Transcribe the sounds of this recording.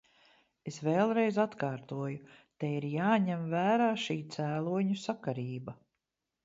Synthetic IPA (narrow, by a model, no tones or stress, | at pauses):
esveːlˠɾejzat̪kaːɾt̪uɔjut̪eiɾjaːɲɛmvæːɾaːʃiːt̪sæːlˠuɔɲusakaɾiːbɐ